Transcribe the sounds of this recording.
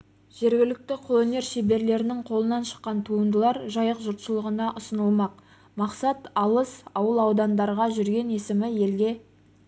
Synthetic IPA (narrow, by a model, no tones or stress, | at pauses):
ʒ̥e̞ɾɡʲɪlɪk̚t̪ɪqʰolˠone̞ɾʃebe̞ɾle̞ɾɪnɪŋqʰo̞lˠənɑnʃə̥qːɑnt̪ʰuənd̪əlˠɑɾʒɑjəqʒʊɾt̪ʃəlˠəʁənɑʔʊsənəlˠmɑq | mɑqsɑt̪ɑlˠəsɑwəlˠɑwd̪ɑnd̪ɑɾʁɑʒʏɾɡʲe̞ne̞sɪmɪje̞lɡʲe̞